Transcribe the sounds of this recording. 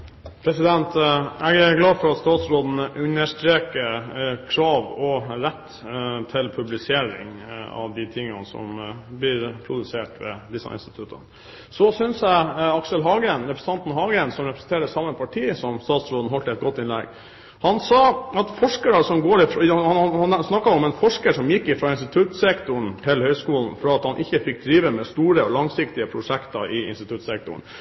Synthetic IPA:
pʰɾɛsɪd̪ɛnt̪ɛɡæɾɡlɑːd̪fɔɾɑt̪st̪ɑːt̪sɾoːd̪n̩əʔʉnːəʂt̪ɾeːkəɾkʰɾɑːʋɔɾɛt̪ː | t̪ʰɪlpʰʉblɪseːɾɪ̰ŋɑ̰ʋd̪ɪt̪ʰɪŋːɑ̰nsɔ̰mblɪɾpʰɾʊd̪ʉseːʈʋɛ̰d̪ɪsɑ̰ɪ̰nst̪ɪ̥t̪ʰʉt̪ʰə̰n | sɔsʏnsjæɪɑksəlɦɑːɡəɛnɾɛpʰɾəsn̩t̪ɑnt̪nɦɑːɡəɛnsɔmɾɛpɾəsn̩t̪eːɾəsɑmːəpʰɑʈʰiːsɔmst̪ɑːt̪sɾoːd̪n̩ɦɔlt̪əɛt̪̚ɡɔt̪ːɪnlɛ̰ɡ | hɑnsɑːɑt̪fɔʂkəɾɑsɔmɡoːɾɪfhɑɑhɑnsnɑkːɑɔmɛnfɔʂkəʂɔmjɪkːɪfɾɑːɪnst̪ɪt̪ʰʉt̪sɛkt̪ʊɳ̩t̪ʰɪlhœʏskuːln̩fɾɑɑt̪hɑnʔɪçːəfɪk̚d̪ɾiːʋəmɛst̪uːɾəɔlɑŋsɪkt̪ɪəpʰɾʊʂɛkt̪ɑʔɪɪ̰nst̪ɪt̪ʰʉt̪sɛk̚t̪ʊ̰ɳ̩

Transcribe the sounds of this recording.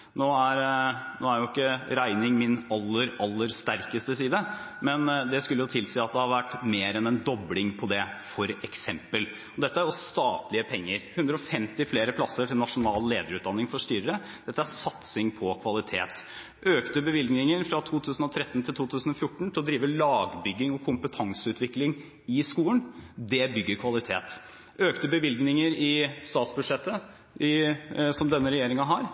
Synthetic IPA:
noːæɾnoːæɾjʊɪkːəɾæɪnɪŋmɪnɑlːəɾɑlːəɾst̪æɾkəst̪əsiːd̪ə | mɛnd̪ɛskʉləjʊt̪ʰɪlsiːɑt̪̚d̪ɛhɑɾʋæʈːmeːɾɛnɛnd̪ɔblɪŋpʰɔd̪ɛfɔɾɛksɛmpəl | ɔd̪ɛt̪ːəæɾjɔst̪ɑːt̪lɪəpʰɛŋːəɾhʉnd̪ɾəɔfɛmt̪ɪfleːɾəpʰlɑsəʈʰɪlnɑʂʊnɑːleːd̪əɾʉːt̪d̪ɑnːɪŋfɔʂʈ̪yːɾəɾə | d̪̥ɛt̪ːəæɾsɑt̪sɪŋpʰɔkʰʋɑlɪt̪ʰḛːt̪ | ʔøːkt̪əbəʋɪlɡnɪŋəɾfɾɑt̪ʰuːt̪ʰʉːsənɔt̪ʰɾɛt̪ːn̩t̪ʰɪlt̪ʰuːt̪ʰʉːsnɔfjʊʈːɳ̩t̪ɪlɔd̪ɾiːʋəlɑːɡbʏɡːɪŋɔkʰʊmpət̪ʰɑŋsəʉːt̪ʰʋɪklɪŋ | ɪskuːənd̪ɛbʏɡːəɾkʰʋɑlɪt̪ʰḛːt̪ | øːkt̪əbəʋɪlɡnɪŋəɾɪst̪ɑːt̪sbʉd̪ʂɛt̪ːə | ɪsɔmd̪ɛnːəɾɛjeːɾɪŋɑɦɑɾ

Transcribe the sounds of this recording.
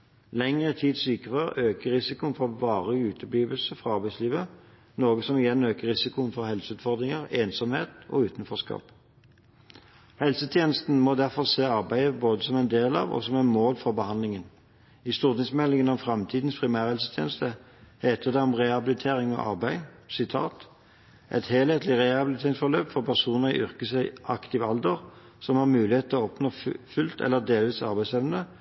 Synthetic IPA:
lɛŋʁət̪ʰiːd̪syːkəʁəʁøːkəʁɪsɪkʊənfɔʋɑːʁəʉːt̪ʰəbliːʋəlsəfʁɑɑʁbæɪsliːʋə | noːɡəsɔmɪjɛnøːkəʁʁɪsɪkʊənfɔʁhɛlsəʉːt̪fɔʁd̪ʁɪŋəʁeːnsɔmheːt̪ɔ̰ʉːt̪nfɔʁskɑ̰ːp | hɛlsət̪ʰjeːnəst̪n̩mod̪æʁfɔʁseːɑʁbæɪəboːd̪əsɔmɛɪnd̪eːlɑ̰ːʋɔ̰sɔmæɪnmoːlfɔʁbəhɑnd̪lɪŋən | ɪst̪uːʁt̪ɪŋsmɛlɪŋənɔmfʁɑmt̪ʰiːd̪n̩spʰʁɪmæːʁhɛlsə̥t̪ʰjeːnəst̪ə | heːt̪ʰəd̪ɛɔmʁɛhɑbɪlɪt̪ʰeːʁɪŋɔ̰ʔɑ̰ʁbæɪsɪt̪ʰɑ̰ːt̪ | ʔɛ̰t̪heːlheːt̪lɪʁɛhɑbɪlt̪ʰeːʁɪŋsfɔʁløːpfɔʁpʰæʁsuːnəʁḭʔʏʁkəsæɪʔɑ̰kt̪ɪʋɑld̪əʁ | sɔmhɑʁmʉːlɪheːt̪ɔɔpnoːfʉlt̪ɛ̰lːəʁd̪eːlʋiːsɑʁbæɪsɛʋənə

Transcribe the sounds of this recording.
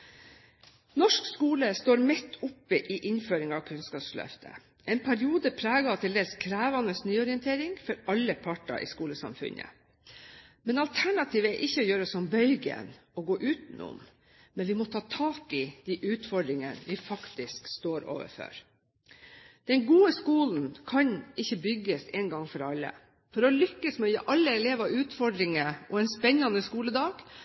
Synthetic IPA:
nɔʂkskuːləst̪oːɾmɛt̪ʰːʊpːəʔɪʔɪnføːɾɪŋɑʋkʰʉnskɑːpslœ̰ft̪ʰə̰ | ʔɛɪnpʰæɾɪuːd̪əpʰɾæːɡɑt̪ʰɪld̪eːlskʰɾæːʋɑnəsnyːɔɾɪɛnt̪ʰeːɾɪŋfɔɾɑlːəpʰɑʈɑ̰ʔɪ̰skuːləsɑ̰mfʉ̰ɲə̰ | mɛnɑlt̪ʰæɳɑt̪ʰiːʋəæʔɪçːəɔjøːɾəɔsɔmbœʏɡə̰nɔɡoːʔʉːt̪n̩ʊ̰m | mɛnʋɪmɔt̪ʰɑːt̪ʰɑːkɪd̪̥iːʔʉːt̪fɔɖɾɪŋənʋɪfɑkt̪ɪskst̪oːɾo̰ːʋə̰fɔ̰ɾ | d̪̥ɛnɡuːəskuːln̩kʰɑɲɪçːəbʏɡəsɛnɡɑŋfɔɾɑlːə̰ | fɔɾɔlʏkːəsmɛɔjə̰ʔɑlːəɛleːʋɑʉːt̪fɔɖɾɪŋəʔɔɛnspɛnːɑnəskuːləd̪ɑːɡ̥

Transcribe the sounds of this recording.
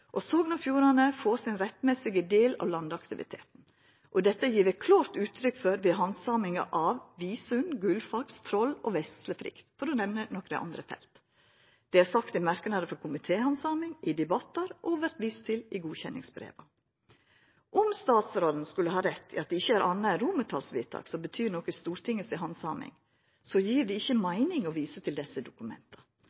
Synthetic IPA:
ʔɔsoːɡnɑfjuːɾɑnəfoːsɪnɾɛt̪ːmɛsɪɡəd̪eːlɑ̰ʋlɑnd̪ɑkt̪ɪʋɪ̰t̪ʰḛːt̪n̩ | ʔɔd̪ɛt̪ːəjiːɾʋækʰlɑːɾt̪ʉːt̪ʰːɾʏkːfɔɾʋɛɦɑnsɑːmɪŋɑ̰ʔɑʋʋiːsʉnɡʉlfɑkst̪ʰɾɔlɔʋɛssləfɾɪ̰kt̪fɔɾɔnɛʋnənɔkɾɛ̰ʔɑ̰nd̪ɾəfɛ̰lt̪ | d̪̥ɛæɾsɑkt̪ɪmæɾknɑd̪əfɔɾkʰʊmɪt̪ʰeːhɑnsɑːmɪŋʔɪd̪ɛbɑt̪ːɑɾʔɔʋæɾʈ̪ʋist̪ʰɪlɪɡuːçɛnːɪ̰ŋsbɾḛːʋɑ | ʔʊmst̪ɑːt̪sɾoːln̩skʉlːəɦɑːɾɛt̪ʰːɪɑt̪̚d̪ɛɪçːəæɾʔɑnːəɛɾuːmət̪ʰɑ̰ːlsʋḭːt̪ʰɑ̰ːksɔbət̪ʰyːɾnɔkəst̪uːɾt̪ʰɪŋəsɪɦɑnsɑːmɪ̰ŋ | sɔjiːɾɖ̪ɛɪçːəmæɪnɪŋɔʋiːsət̪ʰɪld̪ɛsəd̪ʊkʉmɛ̰nt̪ʰɑ̥

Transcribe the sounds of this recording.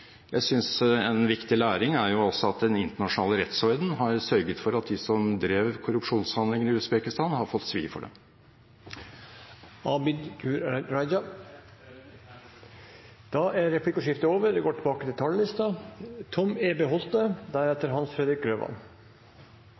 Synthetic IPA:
jæɪsʏnsɛnʋɪkt̪ɪlæːɾɪŋæɾjʊɔsːɔɑt̪̚d̪ɛnɪnt̪əɳɑʂn̩ɑːləɾɛt̪shɔʏd̪n̩ɦɑɾsœɾɡət̪fɔɾɑt̪̚d̪ɪsɔmd̪ɾeːʋkʰʊɾʉpʂuːnshɑnd̪lɪŋəɾɪʉsbeːkɪst̪ɑːnhɑɾfɔt̪ːsʋḭːfɔ̰ɖɛ̰m | ɑːbɪd̪kʉɾɑɪd͡ʒɑ | d̪̥ɑʔæɾɛpʰlɪkːɔʂɪft̪əoːʋəd̪ɛɡoːʈʰɪbɑːkət̪ɪt̪ʰɑljəlɪst̪ɑt̪ʰɔmeːbeɦɔlt̪̚d̪əd̪æɾɛt̪ːəɾɦɑnsfɾɛd̪ɾɪk̚ɾøːʋɑ̰n

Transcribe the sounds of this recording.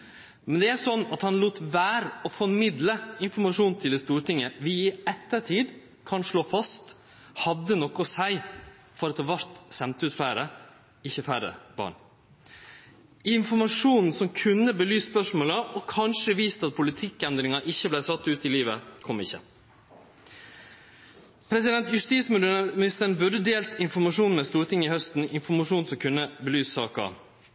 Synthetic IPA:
mɛnd̪ɛæɾsɔnːɑt̪hɑnluːt̪ʋæːɾɔfɔɾmɪd̪ləɪnfɔɾmɑʂuːnt̪ʰɪld̪ɛst̪uːɾʈɪŋːəʋɪɪɛt̪ːəʈʰiːd̪ | kʰɑnʂɭoːfɑst̪ | hɑd̪ːənɔkːɔsæɪ | fɔɾɑt̪hɑːʋæɾt̪sɛnt̪ʉːt̪flæːɾə | ɪçːəfæːɾə̰b̥ɑ̰ːɳ | ɪɪnfɔɾmɑʂuːnn̩sɔmkʰʉnːəbəlyːsːpœʂmoːləʔɔkʰɑnʂəʋiːst̪ɑt̪̚pʰʊlɪt̪ʰɪkːɛnd̪ɾɪŋɑʔɪçːəblæɪsɑt̪ːʉːt̪ɪliːʋəkʰɔmːɪçːə̰ | pʰɾɛsɪd̪ɛnt̪jʉʂt̪iːsmmɪnɪst̪əɳ̩bʉɖəd̪eːlt̪ɪnfɔɾmɑʂuːn̩mɛːst̪uːɾt̪ʰɪŋːɪhœst̪n̩ɪnfɔɾmɑʂuːn̩sɔmkʰʉnːəbəlyːssɑ̰ːkɑ̰

